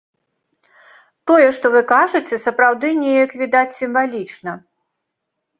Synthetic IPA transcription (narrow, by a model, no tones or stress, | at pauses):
t̪ɔjɛʂt̪ɔvɨkaʐɨt͡sʲɛsɐpɾawd̪ɨnʲejɐkvʲid̪at͡sʲsʲimvalʲit͡ʂnɐ